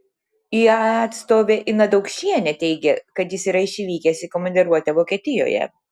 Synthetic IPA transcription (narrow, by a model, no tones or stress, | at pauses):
iɑːt̪st̪oːʋʲeʔɪnɐd̪ɐʊkʃʲiɛnʲɛt̪ʲɛɪɡʲɛkɐt̪jɪsiːɾɐɪʃʲiʋʲiːkʲɛsʲɪkomɐnd̪ʲɪɾuɔt̪ʲɛʋoːkʲiɛt̪ʲɪjo̰ːjɛ̰